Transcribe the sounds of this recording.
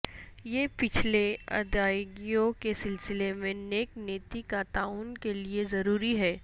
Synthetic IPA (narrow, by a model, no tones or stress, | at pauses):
jeːpɪt͡ʃʰleɐ̰d̪aːɪɡijõkesɪlsɪlemẽneːkneːt̪ikat̪aːuːnkeliezɐɾuːɾiɦɛː